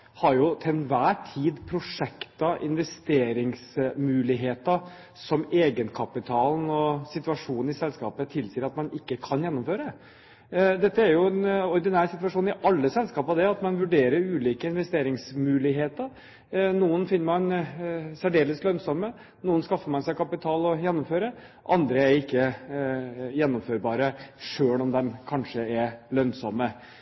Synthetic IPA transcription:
hɑɾjʊt̪ʰɛnʋæːʈʰiːd̪pʰɾʊʂɛkt̪ɑʔɪ̰nʋɛst̪eːɾɪŋsmʉːlɪɦeːt̪əɾ | sɔmeːɡənkʰɑpɪt̪ʰɑːln̩ɔsɪt̪ʉʋɑʂuːnn̩ɪsɛlskɑ̰ːpət̪ʰɪlsiːəɾɑt̪mɑnɪkːəkʰɑnjɛnːʊmføːɾə | d̪ɛt̪ːəæɾjʊɛnɔɾd̪ɪnæːɾsɪt̪ʋɑʂuːnɪʔɑlːəsɛlskɑːpɑd̪ɛɑt̪mɑnʋʉɖeːɾəɾʉːliːkəɪnʋɛst̪eːɾɪŋsmʉːlɪɦeːt̪əɾ | nuːənfɪnːəmɑnsæɖeːləslœnsɔmːə | nuːənskɑfːəmɑnsæɪkʰɑpɪt̪ʰɑːlɔjɛnːɔmføːɾə | ʔɑnd̪ɾəæɾɪkːə | jɛnːɔmføːɾbɑːɾəʂøːlɔmd̪ɛmkʰɑnʂəɛɾlœnsɔmːə

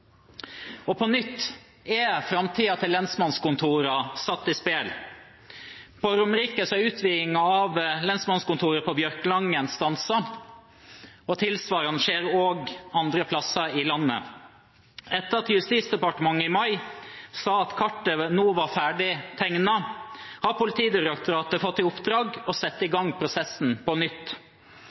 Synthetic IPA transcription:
ɔpʰɔnʏt̪ː | ɛfɾɑmt̪ʰiːɑt̪ʰɪlːɛnsmɑnskʊnt̪ʰuːɾɑsɑt̪ːɪspeːl | pɔɾʊmɾiːkəsɔæʉːt̪ʰʋiːɪŋɑɑʋlɛnsmɑnskʊnt̪ʰuːɾəpʰɔbjœɾklɑŋənst̪ɑnsɑ | ɔt̪ʰɪlsʋɑːɾənʃeːɾoːɡɑnd̪ɾəpʰlɑsɑɪlɑnːə̰ | ɛt̪ːəɾɑt̪jʉst̪iːsd̪ɛpɑʈəmɑŋɪmɑɪsɑːɑt̪kʰɑʈːənuːʋɑfæːɖɪt̪ʰɛŋnɑhɑːpʊlɪt̪ʰiːd̪ɪɾɑkt̪ʊɾɑːt̪əfɔt̪ːɪʊpd̪ɾɑːɡɔsɛt̪ːəɪɡɑŋpʰɾʊsɛsn̩pʰɔnʏt̪ː

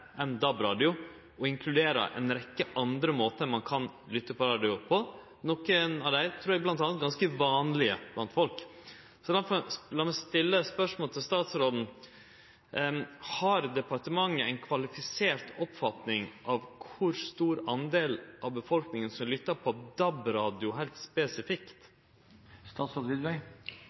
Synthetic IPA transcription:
ɛnd̪ɑbɾɑːd̪ɪʊ | ɔɪŋkʰlʉd̪eːɾə̰ʔɛ̰nɾɛkːəʔɑnd̪ɾəmoːt̪əmɑnkʰɑn | lʏt̪ːəpʰɔɾɑːd̪ɪʊpʰɔ | nɔkənɑʋd̪æɪt̪ʰɾʉːɾɛɡblɑnt̪ɑnət̪̚ɡɑnskəʋɑːnlɪə̰b̥lɑnt̪fɔlk | sɔlɑfɔlɑmɛst̪ɪlːəspœʂmoːlt̪ʰɪlst̪ɑːt̪sɾɔd̪n̩ | hɑɾd̪ɛpɑʈəmɑŋːəɛɪnkʰʋɑlɪfɪseːɾʈɔpfɑt̪nɪŋʔɑʋkʰʊɾst̪uːɾɑnd̪eːlʔɑʋbəfɔlknɪŋənsɔmlʏt̪ːəɾpʰɔd̪ɑbɾɑːd̪ɪʊɦæɪlt̪spɛsɪfɪkt̪ | st̪ɑːt̪sɾoːd̪ʋɪd̪ʋœɪ

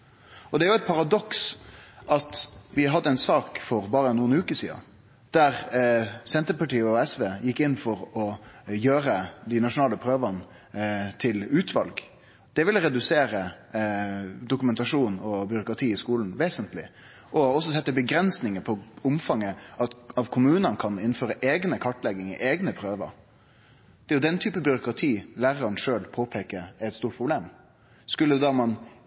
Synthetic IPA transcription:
ɔd̪ɛæɾjʊæɛt̪̚pʰɑɾɑd̪ɔksʔɑt̪ʋɪɦɑd̪ːəɛɪnsɑːkfɔɾbɑːɾənuːənʉːkəsḭːɑ̰ | d̪̥æɾsɛnt̪əɾpɑʈiːəɔɛsʋeːjɪkːɪnːfɔɾɔjøːɾəd̪ɪnɑʂʊnɑːləpʰɾøːʋən | t̪ʰɪlʉːt̪ʰʋɑ̰lɡ | d̪̥ɛʋɪlːəɾɛd̪ʉseːɾə | d̪ʊkʉmɛnt̪ɑʂuːnɔbʏɾʊkɾɑt̪ʰiːɪskuːln̩ʋeːsənt̪lɪ̰ | ʔɔɔsːɔsɛt̪ːəbəɡɾɛnsnɪŋəpʰɔʊmfɑŋːəɑt̪ɑʋkʰʊmʉːnənkʰɑnɪnːføːɾəʔeːɡnəkʰɑʈːlɛɡɪŋəʔeːɡnəpʰɾøːʋə̰ɾ | d̪̥ɛjʊd̪ɛnt̪ʰyːpəbʏɾʊkɾɑt̪ʰiːlæːɾəɑɳʂøːlpʰoːpʰeːkəæɾɛt̪st̪uːʈpʰɾʊbleːm | skʉlːəd̪ɑːmɑn

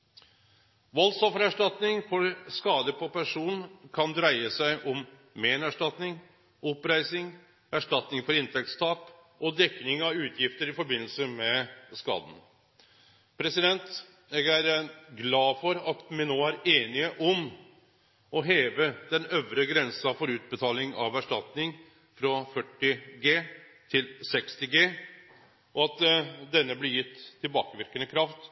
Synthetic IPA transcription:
ʋɔlsɔfəɾæʂʈɑt̪nɪŋfɔɾskɑːd̪əpʰɔpʰæʂuːnkʰɑnd̪ɾæɪəsæɪʔɔm | meːnæʂʈɑt̪nɪŋ | ʔɔpɾæɪsɪŋ | æʂʈɑt̪nɪŋfɔɾɪnt̪ʰɛk̚t̪st̪ʰɑːk | ʔɔd̪ɛkːnɪŋɑʉːt̪ʰjɪft̪əɾɪfɔɾbɪnl̩səmɛskɑ̰ːd̪n̩ | pʰɾɛsɪd̪ɛnt̪ | jɛɡæɾɡlɑːfɔɾɑt̪mɪnoːæɾeːnɪəʔɔm | ɔɦeːʋəd̪ɛnœʋɾəɡɾɛnsɑfɔɾʉːt̪̚bət̪ʰɑːlɪŋɑ̰ʋæʂʈɑt̪nɪŋ | fɾɔfœʈːɪɡeː | t̪ʰɪlsɛkst̪ɪɡeː | ɔɑt̪d̪ɛnːəblɪɾjɪt̪ʰːɪlbɑ̰ːkəʋɪɾkənəkʰɾɑft̪

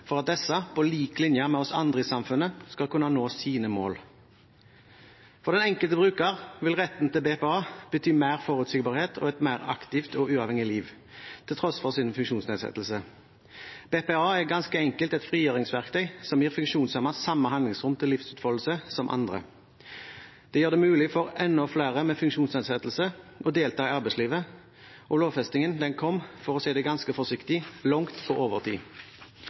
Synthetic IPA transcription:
fɔʁɑt̪̚d̪ɛsɑpʰɔliːklɪnjəmɛɔsɑ̰nd̪ʁəɪːsɑmfʉnːəskɑlkʉnɑnoːsiːnəmoːl | fɔʁd̪ɛnɛŋkəlt̪əbʁʉːkəʁʋɪlʁɛt̪ːən̩t̪ɪlbeːpeɑːb̥ət̪ʰyːmæɪʁfoːʁʉːt̪siːɡbɑːʁheːt̪ʰɔ̰ɛt̪mæɪʁɑ̰kt̪ɪft̪ɔʉːɑʋɛŋɪliːʋ | t̪ʰɪlt̪ʰʁɔsfɔʁsɪnfʉŋkʃuːnsneːd̪sɛ̰t̪l̩sə | b̥eːpeɑːæʁɡɑnskəɛŋkəlt̪ɛt̪fʁiːjøːʁɪŋsʋæʁkt̪ʰœʏsɔmjiːʁfʉŋkʃuːnsɑmɑsɑmːəɦɑnlɪŋsʁʊmt̪ʰɪlɪfsʉːt̪fɔllsəsɔmʔɑ̰nd̪ʁə̰ | d̪̥ɛjøːʁd̪ɛmʉːlɪfɔʁɛnːɔflæːʁəmɛːfʉŋkʃuːnsneːd̪sɛt̪l̩səʔɔd̪eːlt̪ʰɑːɪɑʁbɛɪsliːʋə | ʔɔloːʋfɛst̪ɪŋənd̪ɛnkʰɔmfɔʁɔseːd̪ɛɡɑnskəfɔsɪkt̪ɪlɔŋt̪ʰoʔoːʋəʁt̪ʰḭː

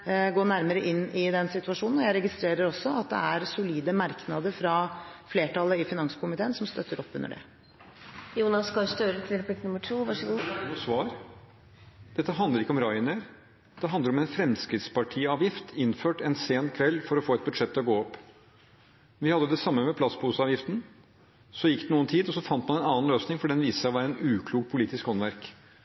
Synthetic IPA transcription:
ɡoːɳæɾməɾəʔɪnːɪd̪ɛnsɪt̪ʉɑʂuːnn̩ɔjæɪɾɛɡɪst̪ɾeːɾəɾɔsːɔɑt̪̚d̪ɛ̰æɾsʊliːd̪əmɑɾknɑd̪əɾfɾɑfleːʈɑləɪfɪnɑŋsə̥kʰʊmɪt̪ʰeːənsɔmst̪œt̪ʰːəɾɔpːʉ̰nːə̰ɖɛ̰ | juːnɑskɑst̪øːɾət̪ʰɪlp̪ɪkt̪nʉmːəʈʰuːʋɑʂəɡuːsʋɑːɾ | d̪̥ɛt̪ːəɦɑnd̪əɾɪkːəɔmɾɑɪnəɾ | d̪̥ɛɦɑnd̪əɾɔmɛnfɾɛmskɾɪt̪spɑʈʰiːɑːʋjɪft̪ʰɪnføːʈɛnseːnkʰʋɛlːfɔɾɔfoːɛt̪̚bʉd̪ʂɛt̪ːɪɔɡoːɔpː | ʋɪhɑd̪ːəd̪ɛsɑmːəmɛpʰlɑsbuːsəɑːʋjɪft̪n̩ | sɔjɪkːd̪ɛnuːənt̪ʰiːd̪ɔsɔfɑnt̪mɑnɛnɑːn̩løːsnɪŋfɔɖɛnʋiːsəʋæːɾəɛnʉːkʰluːkpʰʊliːt̪ɪskhɔnʋæɾk

